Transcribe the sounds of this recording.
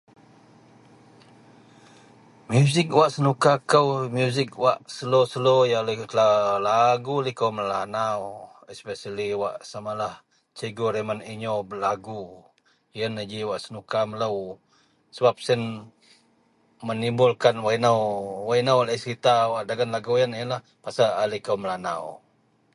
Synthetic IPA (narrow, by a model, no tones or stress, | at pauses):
mjuzɪk̚waʔsənukakəwmjuzɪk̚waʔsəlosəlojalət̪əlalaɡulikəwməlanaw | ɛspɛsaliwaʔsamalah | t͡ʃəɡoɾeməniɲobəlaɡu | jənad͡ʒiwaʔsənukamələw | səbap̚sən | mənimbʊlkanwainawwainawaləsəɾit̪awaʔdaɡanlaɡujənjənlah | pasaʔalikəwməlana̰w